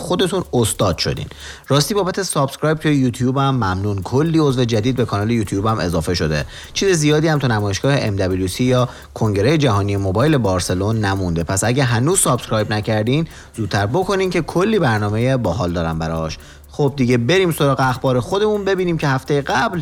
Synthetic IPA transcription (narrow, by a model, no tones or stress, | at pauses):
xo̞d̪e̞t̪ʰunost̪ɒːd̪̥ʃo̞̰d̪ḭːn | ɾɒːst̪iːbɒːbæt̪ʰe̞sɒːb̥scɾɒːjb̚t̪ʰujejuːt̪ʰjuːbæmːæmnuːnkʰolːiːo̞zve̞d͡ʒæd̪iːd̪̚be̞kʰɒːnɒːle̞juːt̪ʰjuːbæme̞zɒːfe̞ʃo̞d̪e̞̰ | t͡ʃʰiːze̞zijɒːd̪iːhæmt̪ʰunæmɒːjeʃɡ̥ɒːhe̞ʔemd̪æbilusijɒː | kʰo̞ŋɟe̞ɾejed͡ʒæɦɒːnijemobɒːjle̞bɒːɾse̞lo̞nːæmund̪e̞pʰæsæɟæɦænuːz̥sɒːb̥skɾɒːjbnæcʰæɾd̪iːn | zuːd̪̥̚t̪ʰːæɾbo̞kʰo̞niːmcʰe̞kʰo̞lːiːbæɾnɒːmejebɒːɦɒːld̪ɒːɾæmbæɾɒʃ | xob̚d̪iɟe̞be̞ɾiːmso̞ɾɒːɣeæxbɒːɾexo̞d̪e̞munbe̞biːniːmcʰe̞hæft̪ejeɡæbl